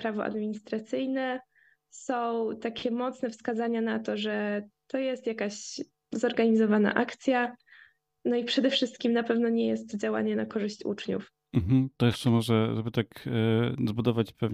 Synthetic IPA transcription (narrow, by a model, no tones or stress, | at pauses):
pɾavɔ̰ʔa̰d̪mʲiɲist̪ɾat̪sɘjnɛ | sɔ̃w̃t̪akʲʰɛmɔt̪snɛfskazaɲanat̪ɔʐɛt̪ɔjɛst̪jakaɕ | zɔɾɡaɲizɔvana̰ʔakt̪sʲja | nɔipʂɛd̪ɛfʂɘst̪̚kʲimnapɛvnɔɲɛjɛst̪ːd͡ʑawa̰ɲɛnakɔʐɘɕt͡ɕṵt͡ʂɲṵf | m̩mm̩t̪ɔjɛʂt͡ʂɛmɔʐɛʐɛbɘt̪ak | zbud̪ɔvat͡ɕpɛv